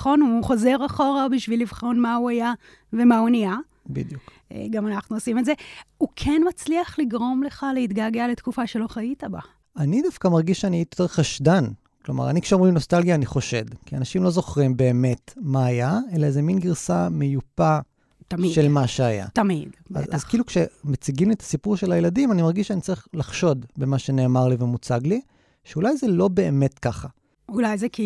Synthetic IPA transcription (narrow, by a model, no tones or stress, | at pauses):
χo̞nuːχo̞ze̞ʁaχo̞ʁabiʃvilivχo̞nmauaja | ve̞maunia | bḭd̪juk | ḛɡamanaχnuosimetze̞ukʰenmat͡sliaχliɡʁo̞mle̞χalehitɡaɡealetkufaʃe̞lo̞χaitaba | anidafkamaʁɡiʃʃaniitioteχaʃdan | kloma̰ʁanikʃeomʁino̞stalɡijaːniχo̞ʃe̞dkianaʃimlo̞zo̞χʁimbe̞ːme̞tmaːjae̞lazeminɡiʁsamejupa | tamiʃe̞lmaʃeaja̰tamid̰zazkilukʃemat͡siɡimliet̪ḁsipuʁʃelajeladimanimaʁɡiʃeanit͡saʁiχlaχʃo̞d̪bemaʃene̞ːmaʁlivemut͡saɡli | ʃeulajzelo̞be̞ːme̞tkaχa | ulajzeki